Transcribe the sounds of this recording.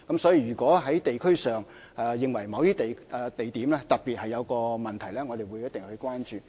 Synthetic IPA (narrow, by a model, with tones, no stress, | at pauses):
kɐ˨˥msɔː˨˥jiː˧ɥyː˨˩kʷɔː˨˥ɦɐ˨˥jt̪e˨jkʰɵ˥ɥsœː˨ŋ | ɛ˧jɪ˨ŋwɐ˨˩jmɐ˨˧wt̪iː˥t̪e˨jt̪e˨jt̪iː˨˥mlɛː˥t̪ɐ˨k̚piː˨t̚hɐ˨jːɐ˨˧wkɔː˧mɐ˨nt̪ʰɐ˨˩jlɛː˥ŋɔː˨˧t̪e˨jwuː˨˧jɐ˥t̪̚e˨ŋhɵ˧ɥkʷwaː˥nt͡ʃyː˨